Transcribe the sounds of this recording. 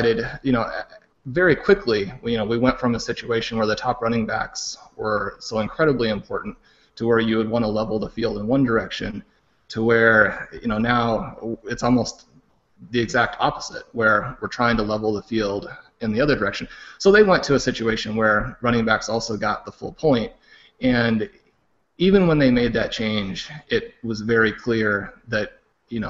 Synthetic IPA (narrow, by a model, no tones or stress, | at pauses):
ɪɾɨdjɨñoʊ | vɛɹikʰw̥ɪkʰlijɨnoʊwiwɛ̃ntfɹʌ̃məsɪt͡ʃʉeɪʃn̩wə˞ðɨtʰɑpɹʌɾñɪ̃ŋbæ̰kswə˞soʊɨ̃nkʰɹ̥ɛɾəbliɨ̃mpʰɔɹʔn̩t | tʰəwə˞jɨwəd̚wɑ̃ñəlɛvl̩ˠðəfilˠdə̃nwʌ̃ndə˞ɛkʃɨ̰̃n | tʰəwə˞jɨ̰ñoʊnaʊɨtsɔlˠmoʊst̪ | ðiɨɡzæk̚tʰɑ̰pəz̥ɪ̰t̚wə˞wəɹtʰɹ̥aɪɪ̃ŋtʰəlɛvl̩ˠðəfilˠd | ɨ̃nðiʌðə˞də˞ɛkʃɨ̃n̩soʊðeɪwɛ̃ntʰɨːsɪt͡ʃʉeɪʃɨ̃nwə˞ɹʌ̃ɾ̃ɪ̃ŋbæksɔlˠsoʊɡɑt̪̚ðəfʊ̰lˠpʰɔ̃ɪ̃nt̚ | ɨ̃n | ivɨ̃nwə̃nðeɪmeɪd̪̚ðɨt̚t͡ʃʰẽɪ̃nd͡ʒɪt̚wʌzvɛɹikʰl̥ɪɹðɨt̚ | jɨno